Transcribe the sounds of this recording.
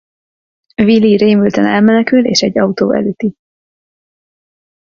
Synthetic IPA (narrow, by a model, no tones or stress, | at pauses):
viliɾeːmylt̪ɛnɛlmɛnɛkyleːʃɛɟːɒut̪oːɛ̰løːt̪i